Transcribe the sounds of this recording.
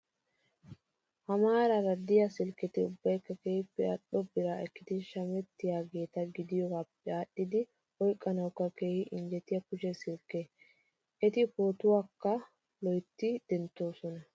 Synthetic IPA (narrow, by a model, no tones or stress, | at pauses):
hɐmaːɾɐɾɐd̪ɪjɐsɪlkːɪt̪ɪʊbːɐjkːɐkeːhɪpːɛa̰ɗɔbɪɾaɛkːɪd̪ɪʃɐmɛt̪ːɪjaːɡe̞ːt̪ɐɡɪd̪ɪjɔɡaːpːɛaːɗːɪd̪ɪ | ɔjkʼːɐnɐwkːɐke̞ːhɪʔɪnd͡ʒɛt̪ːɪjɐkʊʃɛsɪlkːe | ʔɛt̪ɪpoːt̪ʊwaːkːɐ | lɔjt̪ːɪd̪̥ɛnt̪ːo̞ːsɔnɐ